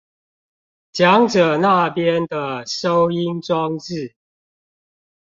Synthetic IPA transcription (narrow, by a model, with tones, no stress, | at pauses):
t͡ɕjɑ˨˦ŋʈ͡ʂɤ˨˩na˥˨pjɛ˦nd̪ə˨ʂo˦ʊi˦nʈ͡ʂwɑ˦ŋt͡s̩˥˨